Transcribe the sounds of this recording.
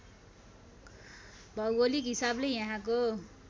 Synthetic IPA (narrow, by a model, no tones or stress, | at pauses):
bʱʌwolikɦisablejãɦãko